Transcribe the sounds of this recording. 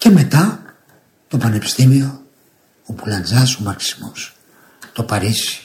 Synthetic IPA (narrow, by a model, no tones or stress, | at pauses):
ce̞me̞t̪ɐ | t̪o̞pɐne̞pi̥st̪imio̞ | opulɐnd͡zɐsomɐɾksi̥mos | t̪o̞pɐɾisi̥